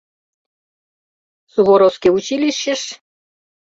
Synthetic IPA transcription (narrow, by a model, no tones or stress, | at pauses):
suβoɾowskʲiut͡ɕilʲiʃːeʃ